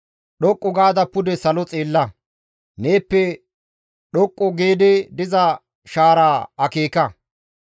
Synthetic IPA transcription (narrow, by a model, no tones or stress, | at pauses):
ɗɔkʼːʊɡaːd̪ɐpːʊd̪ɛsɐlɔt͡sʼeːlːɐ | neːpːɛ | ɗɔkʼːɔɡe̞ːd̪ɛd̪ɪzɐ | ʃaːɾaːɐkeːkɐ